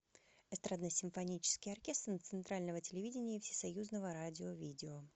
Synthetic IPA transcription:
ɛst̪ɾad̪nəsʲɪmfɐnʲit͡ɕɪ̥skʲɪjɐrkʲe̞st̪ɾnt̪sɨnt̪ɾalʲnəvətʲɪlʲɪvʲidʲɪnʲɪjəfsʲɪ̥sɐjuznəvəɾadʲɪovʲidʲɪo

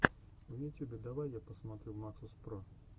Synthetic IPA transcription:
ujʲit̪ʲjubʲɛd̪avajːapəsmat̪ɾʲɛwmaksʊspɾɔ

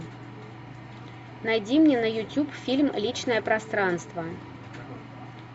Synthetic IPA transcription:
najd͡zʲimnʲɛnɐjut͡sʲupfʲilʲmlʲit͡ʃnɐjɐpɾast̪ɾanst̪vɐ

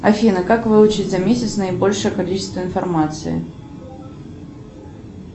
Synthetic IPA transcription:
ɐfʲinəkakvɨʊt͡ɕɪtʲzɐmʲesʲɪt̪snəɪbo̞lʲʂɨjəkɐlʲit͡ɕɪst̪vəɪnfɐrmat̪sɨ̰ɪ̰

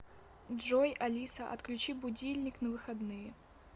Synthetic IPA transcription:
ʐɔjalʲisɐʔɐ̰t̪klʲʉt͡ɕibʊdʲilʲnʲiknɐvɨxad̪nɨjɛ

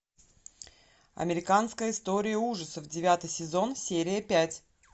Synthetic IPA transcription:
ɐ̰mʲɪɾʲɪkanskəjəɪst̪o̞ɾʲɪjəuʐəsəvdʲɪvʲat̪ɨjsʲɪzo̞nsʲeɾʲɪjəpʲætʲ

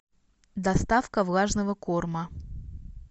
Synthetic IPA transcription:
d̪ɐst̪afkəvlˠaʐnəvəkormə

